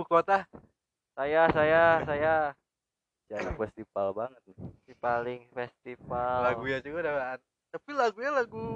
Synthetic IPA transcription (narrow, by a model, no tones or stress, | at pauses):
ukot̪a | sajasajasaja | d͡ʒanafɛst̪ifalbaŋət̪̚nɪsipalɪŋfɛst̪ifalaɡujad͡ʒuɡadaan | t̪apilaɡuɲalaɡu